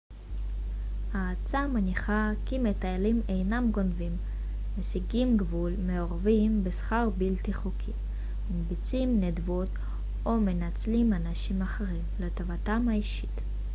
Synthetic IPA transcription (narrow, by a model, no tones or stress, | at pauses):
haːt͡samaniχakimetajalimejnamɡo̞nvimː | esiɡimɡvulmeo̞ʁavimbesχaʁbiltiχukʰi | manbit͡simnedvot | o̞menat͡slimanaʃimaχeʁimletovatamhaiʃi̥t